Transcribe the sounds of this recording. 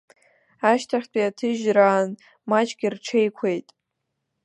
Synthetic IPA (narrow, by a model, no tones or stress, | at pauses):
aʃtʰaχʲtʰʼiatʰɨʒraːn | mat͡ʃʰʼɡʲirʈ͡ʂʰejkʷʰe̞jtʼ